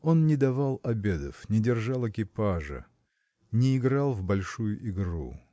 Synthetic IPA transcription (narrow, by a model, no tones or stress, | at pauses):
o̞nnʲɪd̪ɐvalˠɐbʲe̞d̪ə̰fnʲɪdʲɪrʐalˠɪkʲɪpaʐə̰ | nʲɪːɡɾalˠvbɐlʲʂujʊʔɪɡɾṵ